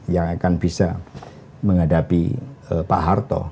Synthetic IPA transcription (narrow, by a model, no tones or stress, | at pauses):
jaŋakanbisa | məŋadapḭəpaʔɦart̪ɔ̰